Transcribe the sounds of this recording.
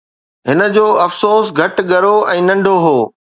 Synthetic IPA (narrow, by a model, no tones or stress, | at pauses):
ɦɪnə̆d͡ʑoːɐfsoːsɡʱɐʈɠɐɾoʔɛ̃ːnɐ̃ɳɖʱoɦoː